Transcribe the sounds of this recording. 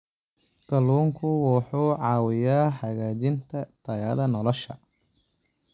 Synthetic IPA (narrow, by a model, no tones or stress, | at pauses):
kɐluːŋkʰʊwɑħuːʕɑːwɪjaːħɑɣaːt͡ʃɪnt̪ʰɐt̪ʰɐjɐðɐnɔlɔʃɐ